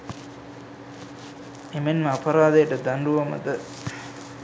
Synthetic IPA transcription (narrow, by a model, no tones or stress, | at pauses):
emenməɐpɐɾaːd̪ɐjəʈəd̪anɖuʋɐmɐ̰d̪ə